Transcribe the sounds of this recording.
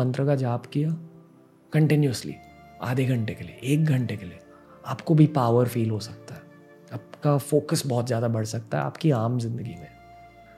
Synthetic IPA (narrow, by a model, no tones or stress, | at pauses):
ɐ̃nt̪ɾəkad͡ʒaːbkija | kɐ̃ɳʈɪnjuəslḭ | a̰ːd̪ʱeɡʱɐ̃ɳʈekeliḛʔeːk̚ɡʱɐ̃ɳʈekelie | aːpkobʱipaːʋəɾfiːlɦosɐk̚t̪aɦɛ | aːpkafoːkəsbɔːt̪zjaːd̪abɐɽ̤sɐk̚t̪aɦɛ̰a̰ːpkiaːmzɪ̃nd̪əɡimẽ